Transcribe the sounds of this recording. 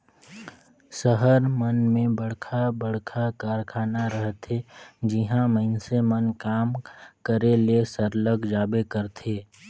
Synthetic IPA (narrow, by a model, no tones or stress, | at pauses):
səɦəɾmənmẽbəɽ̤kʰabəɽ̤kʰakaːɾkʰaːnaɾəɦt̪ed͡ʒɪɦãməɪnsemənkaːmkəɾelesəɾləɡʱd͡ʒaːbekəɾt̪ʰeː